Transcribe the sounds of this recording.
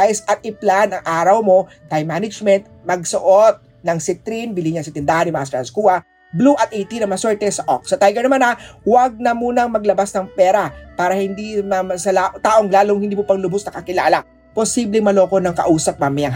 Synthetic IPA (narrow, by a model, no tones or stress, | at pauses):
aɪsʔɐt̪̚ɪplanɐŋʔaːɾɐwmo̞ | t̪ːajmanɪd͡ʒmɛnt̪̚mɐɡsoʔot̪̚ | nɐŋsɪt̪ɾinbɪliɲɐsɐt̪ɪnd̪aːhɐnjɪmɐʔast̪ɾɐnskuːɐ | bluʔɐt̪ʔɛt̪inɐmɐsɛɹt̪ɛsɐʔok̚sɐt̪ajɡɛɹnɐmanɐwɐɡ̚nɐmuːnɐŋmɐɡlɐbasnɐŋpɛːɾɐpaːɾɐhɪnd̪imɐmɐsɐlaʔt̪aːʔoŋlaːloŋhɪnd̪iːmopɐŋlʊbʊsnɐkɐkɪlaːlɐ | posiblɛŋmɐlo̞ːkonɐŋkɐ̰ʔuːsɐp̚mɐmɪɐŋ